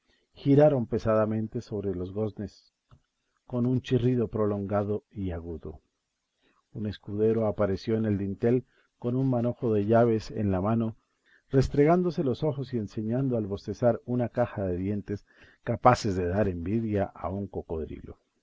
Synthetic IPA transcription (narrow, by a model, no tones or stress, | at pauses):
xiɾaɾo̞mpe̞saðamẽ̞nt̪e̞so̞βɾe̞lo̞zɣo̞zne̞s | ko̞nunt͡ʃiriðo̞pɾo̞lo̞ŋɡaðo̞iaɣuðo̞̰ | une̞skuðe̞ɾo̞apaɾe̞sjo̞ene̞ld̪int̪e̞l | ko̞nunmano̞xo̞ðe̞ʝaβe̞sḛnlamano̞ | re̞st̪ɾe̞ɣand̪o̞se̞lo̞so̞xo̞sie̞nse̞ɲand̪oalβo̞st̪e̞saɾunakaxaðe̞ðje̞nt̪e̞s | kapase̞zðe̞ðaɾe̞mbiðjaʔa̰uŋko̞ko̞ðɾḭlo̞̰